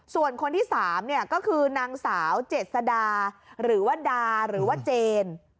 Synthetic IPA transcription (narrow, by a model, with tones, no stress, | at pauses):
su˨˩ənkʰo˧nt̪ʰiː˥˩saː˩˦mni˥˩ɐkɔː˥˩kʰɯː˧naː˧ŋsaː˩˦wt͡ɕe˨˩t̪̚sa˧daː˧ɾɯː˩˦waː˥˩daː˧ɾɯː˩˦waː˥˩t͡ɕeː˧n